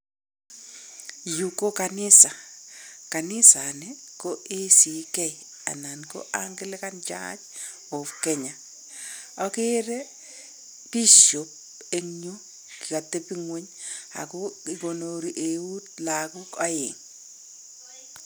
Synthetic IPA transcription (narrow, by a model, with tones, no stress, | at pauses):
juko˦ka˨nɪ˦sa˨ka˨nɪ˦sa˨nɛko˦ʔe˦si˨kɛ˦j | a̰˨na˨nko̰˦ʔaŋɡɪ˦lɛ˦ka˦nt͡ʃa̰˦t͡ʃ | ɔ˨fkɛ˦ɲa˨ | ɔ˦kɪ˦ɾɛ˦ | pi˦ʃo˨p̚ | e˦ŋɲu˦ | kka˨te˦pi˦ŋwe˦ɲ | a̰˨kʊ˦ɪ˨ɡo˨no˨ɾi˨ʔe˨wu˦tla˨ku˦ka˦jɪ̰˨ŋ